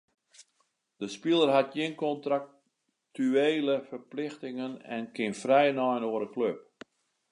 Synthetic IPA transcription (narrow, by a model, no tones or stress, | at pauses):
d̥əspilˠərɦatjɪnkɔntrak | tyeːləfərplɪxtɪŋənɛ̰nkɪnfrɛjnɔjnoəɾəkløp̚